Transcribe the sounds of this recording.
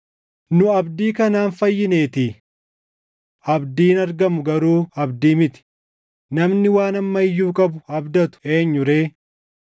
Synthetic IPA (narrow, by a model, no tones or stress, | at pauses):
nʊɐbd̪iːkɐnaːnfɐjːɪne̞ːt̪iː | ɐbd̪iːnɐɾɡɐmʊɡɐɾuːɐbd̪iːmɪt̪ɪ̥ | nɐmnɪwaːnɐmːɐɪjːuːkʼɐbʊɐbd̪ɐt̪ʊ̥e̞ːɲːʊɾe̞ː